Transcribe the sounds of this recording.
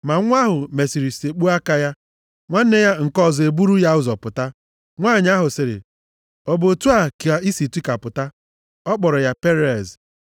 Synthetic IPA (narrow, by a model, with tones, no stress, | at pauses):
ma˨˦ŋʷ˦a˦ɦʊ˨me˨si˨ɾi˨ste˨k͡pu˦a˦ka˦ja˦ | ŋʷa˦n̩˦ne˦ja˦ŋ̩˨kɔ˦˨zɔ˨e˨bu˦ɾu˦ja˦ʊ˦zɔ˨pʊ˨ta˦ | ŋʷaː˦˨ɲ˦a˦ɦʊ˨sɪ˨ɾɪ̰˨ | ɔ˨bo˨tu˦a˦˨ki˨a˨i˦si˨ti˦ka˨pʊ˨ta˦ | ɔ˦k͡pɔ˨ɾɔ˨ja˦pe˦ɾe˨z